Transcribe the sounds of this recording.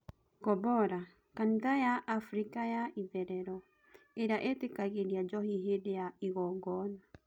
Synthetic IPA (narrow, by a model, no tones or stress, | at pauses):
kɔbɔɾa | kantajaʔafɾikajaiðɛɾɛɾɔ | eɾjaʔetekaɣeɾiad͡ʒɔhiɦedejaiɣɔɡɔna